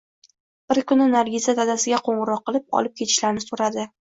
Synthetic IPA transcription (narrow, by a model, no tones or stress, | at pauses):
b̥ɪɾkʊnɪnaɾɡʲizat̪ʰazasɪɡʲaqʰoɴʁɨɾɒq̚ːɨlɪp̚ɒ̰lɪp̚kʲʰe̞t̪ʰɪʃlaɾnɪsoɾad̪ɪ